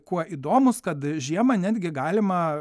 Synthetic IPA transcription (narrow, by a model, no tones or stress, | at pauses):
kuɔʔiːd̪oːmʊskɐt̪ʒʲiɛmɐnʲæːd̪ʲɡʲɪɡɑːlʲɪmɐ